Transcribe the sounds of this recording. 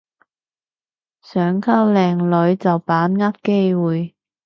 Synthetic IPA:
sœː˨˥ŋkʰɐ˥wlɛː˨ŋlɵ˨˧˥ɥt͡sɐ˨wpaː˨˥nŋɐ˥t̚ke˥jwuː˨j

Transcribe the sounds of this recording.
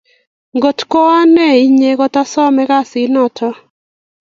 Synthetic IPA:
ŋɡo˨tkɔ˦a˦nɛ˦˨i˦ɲe˨ɣɔ˦ta˦sɔ˦mɛ˦ka˦sɪ˦nɔ˦˨tʰɔ˦

